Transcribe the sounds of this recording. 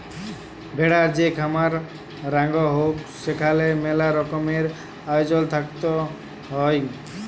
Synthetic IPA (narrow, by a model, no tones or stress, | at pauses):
bʱeɽaɾd͡ʒekʰamaɾ | ɾaŋɡɔɦoksekʰalemelaɾɔkɔmeɾ | ajd͡ʒɔlt̪ʰakt̪ɔ | ɦɔj